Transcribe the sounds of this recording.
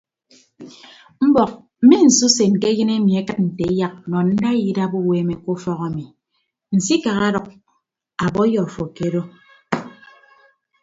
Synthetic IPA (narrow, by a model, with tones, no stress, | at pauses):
m̩˦bɔ˨k̚ | m̩˦mi˦n̩˨su˦se˨n̩˨ke˦jɨ˦ne˦mi˨e˦kɨ˦t̚n̩˨te˨˦ja˦k̚nɔ˨n̩˦da˦ji˦da˦bo˦we˦me˨ko˦fɔ˦ɣa˨mi˨ | n̩˨si˦ka˨ɣa˦ɾɔ˨k̚ | a˨bɔ˦jɔ˨fo˨ke˦ɾo˦